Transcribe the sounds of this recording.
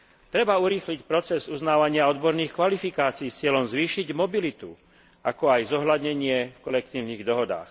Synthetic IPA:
t̪ɾɛbauɾiːxlicpɾɔt͡sɛzuznaːʋaɲɪaɔd̪bɔɾniːxkʋalifikaːt͡siːst͡sɪɛʎɔmzʋiːʃiɟmɔbilit̪u | akɔajzɔɦlad̪ɲɛɲɪɛfkɔlɛk̚t̪iːʊniːɣd̪ɔɦɔd̪a̰ːx

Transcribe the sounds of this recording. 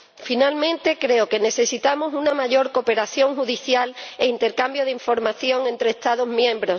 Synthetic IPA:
finalmẽ̞nt̪e̞kɾe̞oke̞ne̞θe̞sit̪amosunamaʝo̞ɾko̞pe̞ɾaθjo̞ŋxuðiθjaleint̪e̞ɾkambjo̞ð̞eiɱfo̞ɾmaθjo̞ŋẽ̞nt̪ɾeːst̪aðo̞zmjẽ̞mbɾo̞s

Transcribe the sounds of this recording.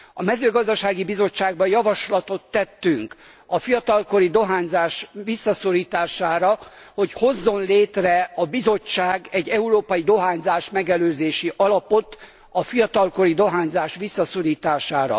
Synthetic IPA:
ɒmɛzøːɡɒzd̪ɒʃaːɡibizo̞t͡ʃːaːɡ̚bɒjɒvɒʃlɒt̪o̞t̪ːɛt̪ːyŋk | ɒfijɒt̪ɒlko̞ɾid̪o̞ɦaːɲzaːʃʋisːɒso̞ɾiːt̪aːʃaːɾɒho̞cho̞zːo̞nleːt̪rɛɒbizo̞t͡ʃːaːɡɛɟːɛuɾoːpɒjid̪o̞ɦaːɲzaːʃmɛɡɛløːzeːʃiʔɒlɒpo̞t̪ | ɒfijɒt̪ɒlko̞ɾid̪o̞ɦaːɲzaːʃʋisːɒso̞ɾiːt̪aːʃaːɾɒ̰

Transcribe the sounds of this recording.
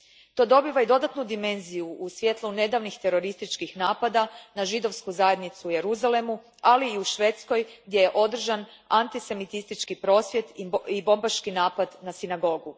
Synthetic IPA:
t̪o̞ːd̪o̞biːʋaid̪o̞d̪at̪nud̪ime̞nzijuːsʋje̞t̪lˠune̞d̪aʋnixt̪e̞ɾo̞ɾist̪it͡ʃkixnaːpad̪anaʒid̪o̞ʋskuzaje̞d̪nit̪suuje̞ɾuzale̞mu | aliːuʃʋe̞ːt̪sko̞jɡ̚d̪je̞jeʔo̞d̪r̩ʒan | ant̪ise̞mit̪ist̪it͡ʃkipɾo̞ːsʋje̞t̪ibo̞mbaʃkinaːpad̪nasinaɡo̞ɡu

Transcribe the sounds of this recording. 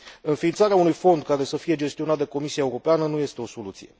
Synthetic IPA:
ɨnfiːnt̪saɾeaunujfo̞nd̪̚kaɾe̞səfije̞d͡ʒe̞st̪io̞nat̪̚d̪e̞ko̞misiaeuɾo̞peanənuje̞st̪e̞o̞so̞lut̪sije̞

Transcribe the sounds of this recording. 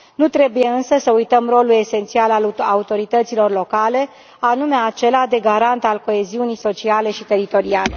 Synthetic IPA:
nut̪ɾe̞buje̞ɨnsəsəujt̪əmro̞lule̞se̞nt̪sialaaut̪o̞ɾit̪ət̪silo̞rlo̞kale̞ | anume̞at͡ʃe̞lad̪e̞ɡaɾant̪alko̞e̞ziunijso̞t͡ʃiale̞ʃit̪e̞ɾit̪o̞ɾiale̞

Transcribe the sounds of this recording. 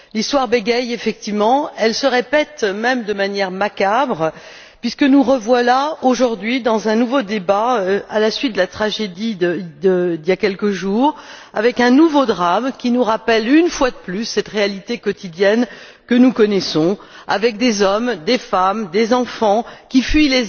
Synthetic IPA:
list̪waʁbeɡɛjefɛk̚t̪ivmɑ̃ɛlsəʁepɛt̪mɛmd̪əmanjɛʁmakabʁ | pɥiskənuʁəvwalaoʒuʁd̪ɥid̪ɑ̃zɛ̃nuvod̪ebaalasɥit̪̚d̪əlat̪χaʒed̪iəd̪əd̪ijakʲɛlkəʒuːʁavɛkɛ̃nuvod̪ʁamkʲinuʁapɛlynfwad̪əplysːɛt̪ʁealit̪ekɔt̪id̪jɛn | kənukɔnɛsɔ̃ | a̰vɛk̚d̪ezɔmd̪efamd̪ezɑ̃fɑ̃kʲifɥile

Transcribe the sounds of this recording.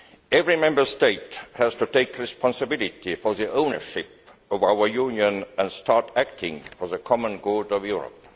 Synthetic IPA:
ɛvɹimɛ̃mbə˞steɪthæz̥tuteɪkɹɪspʰɑ̃nsɨbɪlˠɪtifɔ˞ðiʔõʊ̃nə̰˞ʃɪpʌvaʊə˞jũnjə̃nə̃ndstʰɑɹtæk̚tʰɪ̰̃ŋfɔ˞ðəkʰɑmə̃nɡodʌvjuɹə̰p

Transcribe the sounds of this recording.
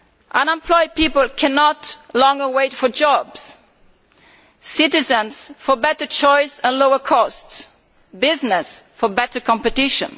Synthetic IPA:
ʔə̃nɛ̃mpʰlɔɪd̚pipəlˠkʰɛnɔtlɔ̃ŋɡəweɪtfɔ˞d͡ʒɔbs | sɪtɪzə̃nsfəbɛtə˞t͡ʃɔɪsə̃nloʊəkʰɔsts | bɪznɛsfɔbɛtə˞kʰɔ̃mpɨtɪʃə̰̃n

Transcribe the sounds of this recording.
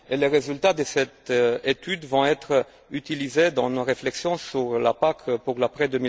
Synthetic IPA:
eleʁezylt̪ad̪əsɛt̪et̪yd̪vɔ̃ɛt̪χ | yt̪ilized̪ɑ̃noʁeflɛksjɔ̃syʁla̰pakpuʁlapχɛd̪ømi

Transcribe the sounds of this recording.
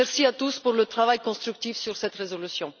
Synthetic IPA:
ɛʁsiat̪uspuʁlət̪χavajkɔ̃st̪χyk̚t̪ifsyʁsɛt̪ʁezɔlysjɔ̃

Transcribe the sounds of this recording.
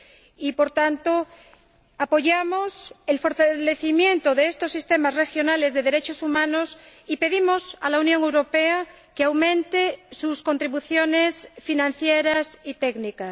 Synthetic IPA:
ipoɾt̪ant̪o | apo̞ʝamoselfo̞ɾt̪aleθimjẽ̞nt̪oðeest̪osːist̪emasrexjo̞nale̞zðe̞ðeɾe̞t͡ʃosumãnos | ipe̞ðimo̞sa̰launjõŋewɾopea | keawmẽnt̪esusko̞nt̪ɾiβuθjonesfinãn̟θjeɾasit̪eɡnikas

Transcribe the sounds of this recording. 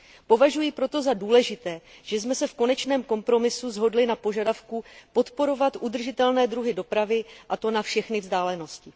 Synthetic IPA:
po̞vaʒujipɾo̞t̪o̞zaduːlɛʒɪt̪ɛːʒ̥ɛsmɛsɛfko̞nɛt͡ʃnɛːmko̞mpɾo̞mɪsuzɦo̞dlɪnapo̞ʒadafkupo̞t̪po̞ɾo̞vat̪ʔud̪r̩ʒɪt̪ɛlnɛːd̪ɾuɦɪdo̞pɾavɪʔat̪o̞nafʃɛxnɪvzdaːlɛno̞scɪ

